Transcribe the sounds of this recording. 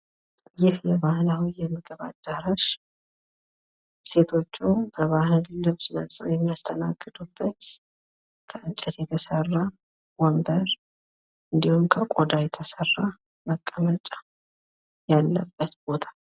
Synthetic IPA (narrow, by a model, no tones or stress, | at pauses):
jɪhjɛβahlawijɛmːɨɡəβad̪̥ːaɾaʃ | se̞t̪ʰo̞t͡ʃːubəβahɨlːɨβsnəβsʼəwjɛmːijast̪ʰəna̰ɡːɨd̪ubːət̪ | kʰəʔɨt͡ʃʼət̪jɛt̪ʰəsərːa | wɔmbəɾ | ʔɨnd̪ihumkʰəkʼod̪ajɛt̪ʰəsərːa | məkʼːəmət͡ʃʼḁ | jalːə̰bːət̪b̥o̞t̪ʰḁ